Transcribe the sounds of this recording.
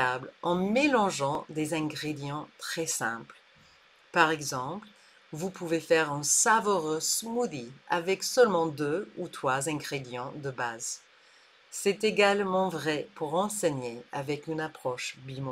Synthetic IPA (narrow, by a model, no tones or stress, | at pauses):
ablɑ̃melɑ̃ʒɑ̃d̪ezɛ̃ɡʁed̪jɑ̃t̪χɛsɛ̰̃pl | paʁɛɡzɑ̃pl | vupuvefɛʁɛ̃savɔʁøsmud̪ia̰vɛksœlmɑ̃d̪øut̪χwazɛ̃ɡʁed̪jɑ̃d̪əbaz | sɛt̪eɡalmɑ̃vʁɛpuʁɑ̃sɛɲeavɛkynapχɔʃbim